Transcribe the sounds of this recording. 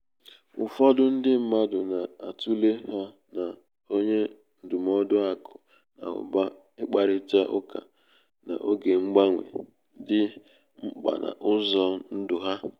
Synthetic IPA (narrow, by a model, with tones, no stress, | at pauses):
ʊ˨fɔ˦dʊ˦n̩˦dɪ˦m̩˦ma˦dʊ˨na˨a˨tu˦le˦ɦa˦ | na˨ | o˦ɲe˦ | n̩˨dʊ˨m˦ɔ˦dʊ˦a˦kʊ˨ | na̰˨ʊ̰˨ba˦ | ɪ˦k͡pa˨ɾɪ˦ta˦ʔʊ˦ka̰˨ | na̰˨ʔo˦ɡe˨ŋ͡m̩˦ɡ͡ba˦ŋʷḛ˨˦ | dɪ˦ | ŋ͡m̩˦k͡pa̰˨na̰˨ʔʊ˦zɔ˦n̩˦dʊ˨ɦa˦